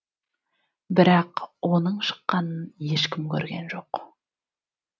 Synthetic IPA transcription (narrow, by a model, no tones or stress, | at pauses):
bɪɾɑqwo̞nəɴʃə̥qːɑnənje̞ʃkʲʰɪmkʲʰɵɾɡʲenʒo̞q